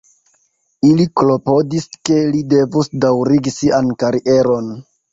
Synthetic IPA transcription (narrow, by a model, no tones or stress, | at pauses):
iliklo̞po̞diske̞lide̞vusdawɾiɡisiʔankaɾiʔe̞ɾo̞n